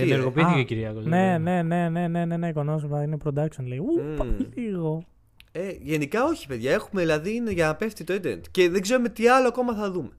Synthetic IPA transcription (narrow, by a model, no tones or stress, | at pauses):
eneɾɣɣo̞piiθikceciɾiɐkolnene̞ne̞ne̞ne̞ne̞neikonos̬mɐinepɾod̪ɐksonleiupɐiliɣo̞ | eʝe̞nikɐo̞çi̥pe̞ðʝɐe̞xume̞ðilɐðiineʝɐnɐpe̞ft̪it̪oed̪ḛnt̪ce̞ðeɡze̞ɾume̞t̪iɐloɐko̞mɐθɐðume̞